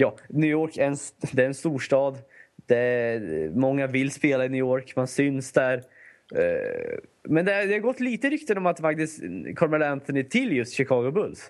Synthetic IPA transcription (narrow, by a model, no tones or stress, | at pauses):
jɑːnʉːjoːɾkæɾɛnsd̪ɛɾɛnst̪uːʂʈɑːd̪d̪̥ɛ | mɔŋːavɪlːspeːlaɪnyːoːɾkmansʏnsd̪æɾ | mɛnd̪ɛd̪ɛhaɾɡɔt̪ːliːt̪əɪɾʏkt̪ənɔmat̪fak̚t̪ɪskʰɔɾmɛlɛnt̪ɔnɪt̪ʰɪlːjɵst̪ɕɪkʰɑːɡʊbɵlːs